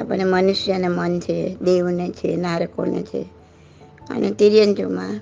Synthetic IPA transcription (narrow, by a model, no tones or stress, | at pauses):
a̰pəɳːemənuʃjanemənt͡ʃʰed̪eʋnet͡ʃʰenaɾəko̰nḛt͡ʃʰḛ | ə̰net̪iɾjənd͡ʒomã